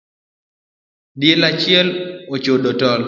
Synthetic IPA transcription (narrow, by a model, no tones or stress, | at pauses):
djelat͡ʃɪɛlot͡ʃodotɔl